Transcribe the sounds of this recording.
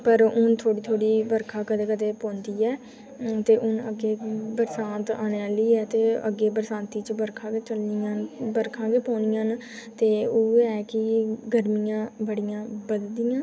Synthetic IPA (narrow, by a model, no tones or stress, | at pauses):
pəɾʊnt̪ʰoːɽiːt̪ʰoːɽiːbəɾkʰaːkəd̪eːkəd̪eːpõːnd̪iːɛː | t̪eːʔʊnəɡeːbəɾsãːnt̪aːneːaːliːɛːt̪eːə̰ɡeːbəɾsãːnt̪iːt͡ʃbəɾkʰãːɡeːt͡ʃəlniːãːnbəɾkʰãːɡeːpɔ̃ːnɪjãːn | t̪eːoːɛːkɪɡəɾmijãːbəɽijãːbəd̪d̪ɪːãː